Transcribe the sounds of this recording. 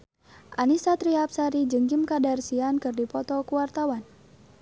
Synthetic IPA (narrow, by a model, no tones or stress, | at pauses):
ʔanisat̪ɾiap̚saɾid͡ʒəŋkimkadarsiankɨrdipɔt̪ɔkuwart̪awan